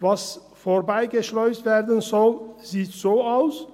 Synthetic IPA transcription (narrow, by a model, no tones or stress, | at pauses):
vas | foːɐbaɪɡəʃlɔʏstv̥eːɐdənzɔlz̥iːtz̥oːaʊs